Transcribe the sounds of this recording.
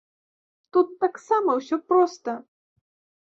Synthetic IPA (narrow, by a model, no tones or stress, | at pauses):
t̪ut̪ːaksamɐwsʲɔpɾɔst̪ɐ